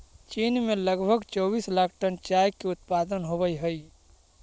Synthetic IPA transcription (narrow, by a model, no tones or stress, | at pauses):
t͡ʃiːnmẽləɡbʱəɡt͡ʃɔːbiːslaːkʰʈənt͡ʃaːjkeʊt̪paːd̪ənɦobəiɦəi